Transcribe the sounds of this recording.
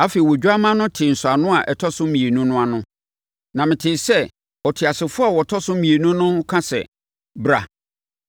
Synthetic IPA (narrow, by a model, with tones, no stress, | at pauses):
a˦fe˨i˨wɔ˨d͡ʑᶣu˦a˦mã˦nʊ̃˦tʰɪ˨n̩˨sʊ˨a˨nʊ̃˦a˨ʔɛ˨tʰɔ˦sʊ̃˦mĩ˨e˨nũ˦nʊ̃˦a˨nʊ̃˦ | nã˨mɪ̃˨tʰɪː˨sɛ˦ | ɔ˨tʰɪ˨a˨sɪ˨fʊ˦a˦˨wɔ˨tʰɔ˦sʊ̃˦mĩ˨e˨nũ˦nʊ̃˦kʰã˦sɛ̰˨ | bɾa̰˨